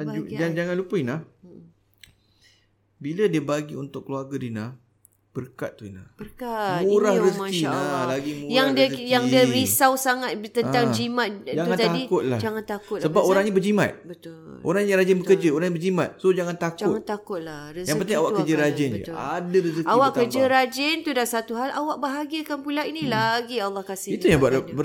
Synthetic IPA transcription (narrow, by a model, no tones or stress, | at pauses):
ad͡ʒud͡ʒad͡ʒaŋanlupəinah | biladiəbaɡiunt̪ʊkːəluarɡadinah | b̥ərka̰t̪̚t̪ːuina̰bəkamuɾahɾəsəkinalaɡimujaŋəjaŋiəɾisawsaŋat̪̚t̪ənt̪aŋd͡ʒimat̪d͡ʒaŋanat̪adikʊt̪̚la̰d͡ʒaŋant̪akʊt̪̚səbapoɾaŋɲabəd͡ʒima̰t̪̚bət̪ʊʔo̰ɾaŋɲaɾad͡ʒɪnbəkərd͡ʒaoɾaŋɲabəd͡ʒimat̪̚sod͡ʒaŋant̪akd͡ʒaʊtŋan̚t̪akʊt̪̚lahrəsjaŋmənt̪aŋawaʔkkəd͡ʒəɾad͡ʒɪnə̰adaɾəsəkawaʔkːəd͡ʒəɾad͡ʒɪnt̪udasat̪uɦalawaʔ̚baɦaɡiəkanpulainilaɡialːɑhkasɪit̪ujababə